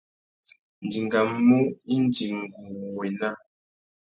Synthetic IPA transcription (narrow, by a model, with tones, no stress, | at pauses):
n˨d͡ʒi˨ŋɡa˨mːu˦i˦n˦d͡ʒi˨ŋ̩˨ɡu˨we˨na˦